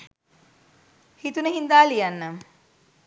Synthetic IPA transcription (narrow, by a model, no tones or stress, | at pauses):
hit̪unəɦind̪aːlijanːə